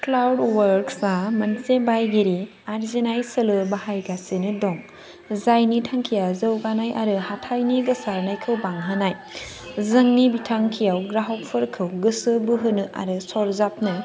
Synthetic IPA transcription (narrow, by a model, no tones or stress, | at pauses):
klawdwɐɾksamɐnsebajɡiɾi | aɾzenajsɐlɯbahajɡasenɯdɔŋ | zajnitʰaŋkʰijazəwɡanajʔaɾɯhatʰajniɡɯsaɾnajkʰɯwbaŋɦɯnaj | zɯŋnibitʰaŋkʰijawɡɾaɦɔwk̚pʰɯɾkʰɯwɡɯsɯbɯɦɯnɯʔa̰ɾɯsɔɾzap̚nɯ